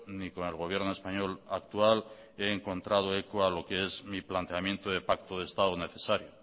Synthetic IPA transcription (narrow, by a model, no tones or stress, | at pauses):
niko̞ne̞lɣo̞β̞je̞ɾnoe̞spaɲo̞lakt̪ual | e̞ːŋko̞nt̪ɾað̞oekoalo̞keezmiplant̪eamjent̪oðepakt̪oð̞est̪aðone̞θe̞saɾjo